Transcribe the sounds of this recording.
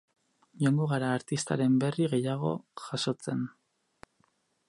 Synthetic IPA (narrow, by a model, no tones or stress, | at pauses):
ʎoŋɡoɣaɾaːɾt̪ist̪a̰ɾe̞mbe̞riɣe̞jaɣ̞o̞̰ʝaʃo̞t͡se̞n